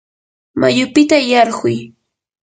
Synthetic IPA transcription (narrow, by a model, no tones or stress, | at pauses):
majʊpɪt̪ajɑɾɢʊj